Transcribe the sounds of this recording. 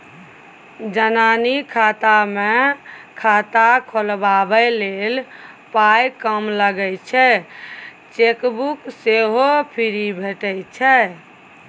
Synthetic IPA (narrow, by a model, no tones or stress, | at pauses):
d͡ʒənanikʰat̪amekʰat̪akʰolbabəlel | pajkəmləɡɛt͡ʃʰɛ | t͡ʃekbukseɦopʰiɾibʱeʈɛt͡ʃʰɛ